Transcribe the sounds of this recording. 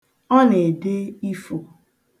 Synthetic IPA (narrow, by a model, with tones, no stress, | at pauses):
ɔ˦ne˨de˦i˦fo˨